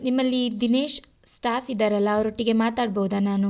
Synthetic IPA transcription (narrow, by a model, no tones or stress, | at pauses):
nimːɐlːid̪ineːʃ | sʈaːpʰid̪ɐɾɐlːɐːʋɐɾoʈːiɡe̞maːt̪aːɖ̚bɐɦud̪anaːnu